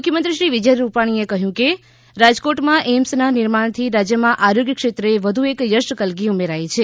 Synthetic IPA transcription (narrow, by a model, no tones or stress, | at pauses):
ukʰjəmənt̪ɾiʃɾiʋɪd͡ʒəjɾupaɽ̃iekəɦjũke | ɾad͡ʒkoʈmãʔemsnanɪɾmaɳ̃t̪ʰiɾad͡ʒjəmãʔaɾoɡjəkʃet̪ɾəeʋəd̪ʱuekjəʃʈəkəlɡiumeɾajt͡ʃʰe